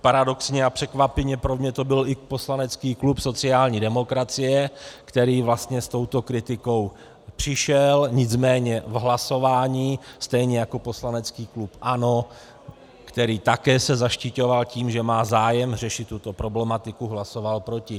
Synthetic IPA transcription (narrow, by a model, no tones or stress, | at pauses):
paɾado̞ksɲɛapr̥ɛkvapɪvɲɛpɾomɲɛt̪o̞bɪlɪpo̞slanɛt͡skiːklupso̞t͡sɪaːlɲiːdɛmo̞kɾat͡sɪjɛkt̪ɛɾiːvlast̪ɲɛst̪o̞wt̪o̞kɾɪt̪ɪko̞w | pr̥ɪʃɛlɲɪt͡smɛːɲɛvɦlaso̞vaːɲiːst̪ɛjɲɛjako̞po̞slanɛt͡skiːklupʔano | kt̪ɛɾiːt̪akɛːsɛzaʃcɪco̞valciːmʒɛmaːzaːjɛmr̝ɛʃɪt̪ːut̪o̞pɾo̞blɛmat̪ɪkuɦlaso̞valpɾo̞cɪ